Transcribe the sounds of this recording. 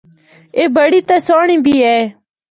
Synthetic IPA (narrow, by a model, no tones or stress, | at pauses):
eːbəɽiːt̪əːsoːɳĩːbʱiːɛː